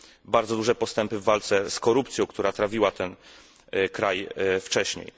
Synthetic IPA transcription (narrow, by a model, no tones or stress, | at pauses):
baɾd̪zɔd̪uʐɛpɔst̪ɛmpɘvːalt̪sɛskɔɾupt̪sʲjɔ̃w̃kt̪uɾat̪ɾavʲiwat̪ɛn | kɾajft͡ʂɛɕɲḛj